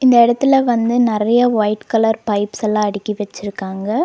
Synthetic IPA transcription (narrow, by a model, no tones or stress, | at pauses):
ɪnd̪ɐɪɽɐt̪ːɪlɐʋɐnd̪ɯnɪɾɐjɐʋɐɪʈkɐlɐɾpɐɪpsɛlːãːɐɽɪkːiʋɛt͡ʃːɪɾɯkːaːŋɡɐ